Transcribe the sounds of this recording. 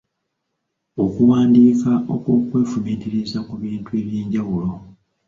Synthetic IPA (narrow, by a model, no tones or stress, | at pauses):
o̞kuwaːndiːkaʔo̞̰kwo̞ːkwe̞ːfumiːtiɾizakuβiːntue̞ːβjeːɲɟawulo̞